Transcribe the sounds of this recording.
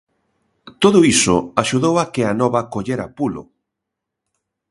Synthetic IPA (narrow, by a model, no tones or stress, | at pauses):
t̪oðʊisʊ̰aʃuðowakeanɔβɐkoʎeɾapulʊ̰